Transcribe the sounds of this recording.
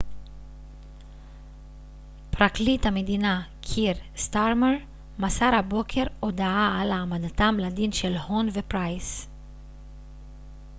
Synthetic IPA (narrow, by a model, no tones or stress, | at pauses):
pɾaklit̪amed̪inakʰiɾst̪aɾmeɾ | masaɾabokʰeɾod̪aaalamad̪at̪amlad̪iːnʃɛlhonvepɾajs